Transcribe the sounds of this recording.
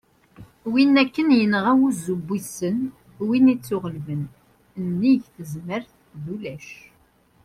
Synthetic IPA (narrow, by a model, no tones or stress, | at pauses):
winːækːənjənʁæwuzubːisən | winit͡sːʊʁəlvən | nːiʝθəzməɾθ | ðulæʃ